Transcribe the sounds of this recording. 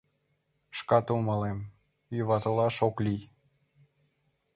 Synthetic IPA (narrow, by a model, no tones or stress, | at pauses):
ʃkɑt̪uməlem | juβɑt̪əlɑʃoklʲij